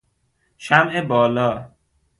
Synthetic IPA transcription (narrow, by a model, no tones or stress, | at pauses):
ʃæmʔebɒːlɒː